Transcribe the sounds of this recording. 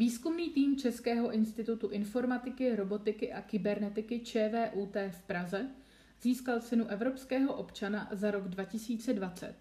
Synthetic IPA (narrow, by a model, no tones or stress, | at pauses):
viːskumniːt̪iːmt͡ʃɛskɛːɦo̞ʔɪnst̪ɪt̪ut̪uʔɪnfo̞ɾmat̪ɪkɪɾo̞bo̞t̪ɪkɪʔakɪbɛɾnɛt̪ɪkɪt͡ʃɛːvɛːʔuːt̪ɛːfpɾazɛ | ziːskalt͡sɪnuʔɛvɾo̞pskɛːɦo̞ʔo̞pt͡ʃanazaɾo̞ɡdvacɪsiːt͡sɛdvat͡sɛ̰t̪̚